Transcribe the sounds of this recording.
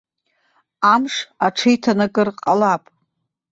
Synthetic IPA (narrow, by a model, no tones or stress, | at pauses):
amʂaʈ͡ʂʰɨjtʰanaɡɨrqʼalapʼ